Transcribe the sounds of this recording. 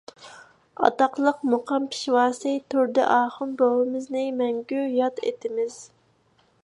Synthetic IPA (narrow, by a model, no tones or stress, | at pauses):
ɑ̰t̪ɑqlˠəqmoqʰɑmpʰi̥ʃwɑːsɨt̪ʰøɾd̪ɪ̰ʔɑːχʊmbowɨmɨznɪmɛŋɡʲyjɑt̪ḛt̪ʰɪmɪz̥